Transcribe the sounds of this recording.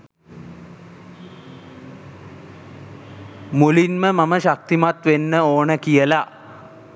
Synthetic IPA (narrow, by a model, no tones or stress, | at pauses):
mulinməmaməʃak̚t̪imat̪ʋenːəoːnəkijəla